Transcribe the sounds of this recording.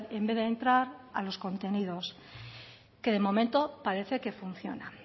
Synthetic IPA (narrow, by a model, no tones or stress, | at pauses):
e̞mbe̞ðeːnt̪ɾaɾalo̞sko̞nt̪e̞niðo̞s | ke̞ðe̞mo̞mẽ̞nt̪o̞paɾe̞θe̞ke̞fun̟θjo̞̰na